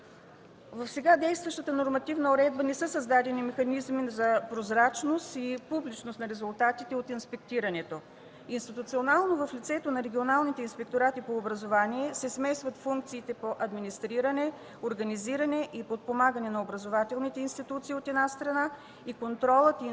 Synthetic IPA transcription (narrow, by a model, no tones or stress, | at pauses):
vɐfsɛɡad̪ɛjst̪vɐʃt̪ət̪ənoɾmɐt̪ivnəoɾɛd̪̚bənɛsɤsɐzd̪ad̪ɛnimɛxɐnizmizɐpɾozɾat͡ʃnost̪ipublit͡ʃnosnɐɾɛzulˠt̪at̪it̪ɛot̪inspɛk̚t̪iɾɐnɛt̪o | inst̪it̪ut̪sionalˠnovɐflit̪sɛt̪onɐɾɛɡʲionalˠnit̪ɛinspɛk̚t̪oɾat̪ipoːbɾɐzovaniɛsɛsmɛsvɐt̪fuŋk̚t̪siːt̪ɛpoʔɐd̪minist̪ɾiɾənɛ | oɾɡɐniziɾɐnɛʔipot̪̚pomaɡənɛnɐobɾɐzovat̪ɛlˠnit̪ɛinst̪it̪ut̪siːot̪ɛd̪nast̪ɾɐna | ikont̪ɾɔlˠət̪i